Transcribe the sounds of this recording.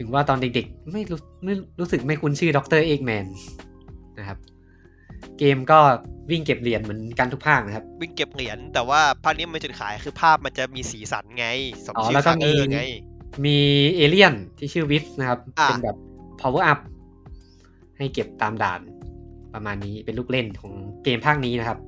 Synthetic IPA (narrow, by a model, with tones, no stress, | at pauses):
t̪ʰɯ˩˦ŋwaː˥˩t̪ɔː˧nde˨˩k̚de˨˩k̚ma˥˩jɾuː˦˥ | ma˥˩jɾuː˦˥sɯ˨˩k̚ma˥˩jkʰu˧nt͡ɕʰɯː˥˩dɔ˦˥k̚t̪ɤː˥˩ʔeː˥˩k̚mɛː˧n | na˦˥kʰa˦˥p̚ | keː˧mkɔː˥˩wi˥˩ŋke˨˩p̚li˨˩˦ənmɯ˩˦nka˧nt̪ʰu˦˥kpʰaː˥˩k̚na˦˥kʰa˦˥p̚wi˥˩ŋke˨˩p̚li˨˩˦ənt̪ɛː˨˩waː˥˩pʰaː˥˩k̚ni˦˥m˧˩t͡ɕu˨˩kʰaː˩˦jxɯː˧pʰaː˥˩p̚ma˧nt͡ɕa˨˩miː˧siː˩˦sa̰˩˦nŋa˧˥jʔɔː˨˩lɛː˦˥kɔː˥˩miː˧jmiː˧ʔeː˧li˥˩ənt̪ʰiː˥˩t͡ɕʰɯː˥˩wi˦˥p̚na˦˥kʰa˦˥p̚ːe˧˩nbɛː˨˩p̚ʰːɔː˧wɤː˧˩ʔa˦˥p̚ | ha˥˩jke˨˩p̚t̪aː˧mda̰ː˨˩n̚pɾa˧maː˧nːiː˦˥pe˧nluː˥˩k̚le˥˩nkʰɔː˩˦ŋkeː˧mpʰaː˥˩k̚niː˦˥na˦˥kʰa˦˥p̚